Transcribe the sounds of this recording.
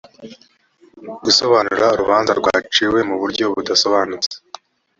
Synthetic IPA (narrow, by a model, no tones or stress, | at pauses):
ɡuso̞βaːnuɾauɾuβaːnza̰ɾɡwa̰ːt͡ʃiwe̞muβuɾɟo̞βudaso̞βaːnut͡se̥